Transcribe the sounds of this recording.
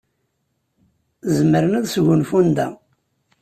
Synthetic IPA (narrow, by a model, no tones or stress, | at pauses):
zəməɾənæðsʝʊnfund̪æ̰